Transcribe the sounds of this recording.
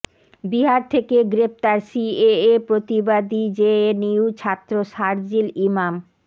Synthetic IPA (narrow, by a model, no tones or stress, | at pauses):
biɦaɾt̪ʰekeɡɾep̚t̪aɾsieepɾot̪ibad̪id͡ʑeeniut͡ɕʰat̪ːɾoʃaɾd͡ʑilimam